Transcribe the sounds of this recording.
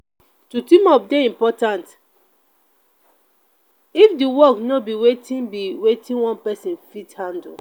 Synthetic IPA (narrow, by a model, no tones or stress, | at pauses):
tutĩmɔp̚deĩmpɔtãnt | ifdiwɔknobiwetĩnbiwetĩnwɔ̃npɛsĩnfithãndu